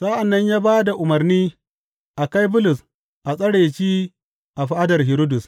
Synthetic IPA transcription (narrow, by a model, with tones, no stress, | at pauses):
sa˦ʔa˨nːɐ˦ɲjaː˦baː˦da˨ʔʊ˨mɐ˨rniː˦ | ʔa˨ka˦jbʊ˦lʊ˨s | ʔa˨sʼɐ˦ɽeː˨t͡ʃiː˦ | ʔa˨ɸa˦ʔa˦dɐ˨rɦɪ˨ɾo˦dʊ˨s